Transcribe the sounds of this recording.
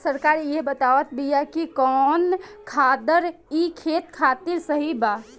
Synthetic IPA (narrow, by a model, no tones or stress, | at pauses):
səɾkaɾiebət̪aʋət̪ʰbijakikɔnkʰad̪əɾikʰeːt̪kʰat̪iɾsəɦiba